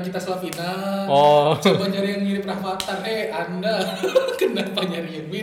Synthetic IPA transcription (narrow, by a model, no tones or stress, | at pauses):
kit̪aslapinaɔt͡ʃabaɲd͡ʒaɾijaŋmilɪprahmat̪areandakənapaɲd͡ʒaɾiɛbi